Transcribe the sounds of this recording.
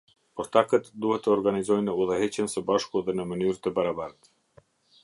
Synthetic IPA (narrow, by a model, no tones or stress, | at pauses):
pɔɾt̪akət̪d̪uhɛt̪ːəɔɾɡanizɔjnəuðəhɛt͡ɕənsəbaʃkuðɛnəmənyɾt̪əbaɾabaɾət̪